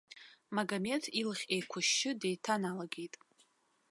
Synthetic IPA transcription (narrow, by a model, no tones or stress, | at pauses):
maɡame̞tʰilχʲejkʷʰʊʃɪdejtʰanalaɡʲejtʼ